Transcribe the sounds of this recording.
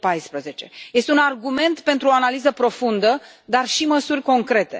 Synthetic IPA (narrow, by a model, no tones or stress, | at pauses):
pajspɾəze̞t͡ʃe̞je̞st̪eunarɡume̞nt̪pe̞nt̪ɾuoanalizəpɾo̞fund̪ə | d̪arʃiməsurʲko̞ŋkɾe̞t̪e̞̰